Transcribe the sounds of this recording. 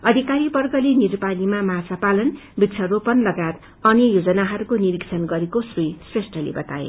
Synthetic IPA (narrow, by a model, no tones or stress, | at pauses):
ʌd̪ʱikaɾibʌrɡʌleniɾpanimamat͡sapalʌnbit̪ːt͡sʰʌropʌnlʌɡat̪ | ʌnjʌjod͡zʌnaɦʌɾukoniɾiksʰʌnɡʌɾekosrujsresʈʌlḛbʌt̪aḛ